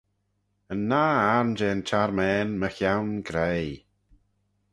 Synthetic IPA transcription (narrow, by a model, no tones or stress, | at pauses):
ənːaːaɹnd͡ʒɛːnt͡ʃʰaɾmɛːnməxjawnɡɾej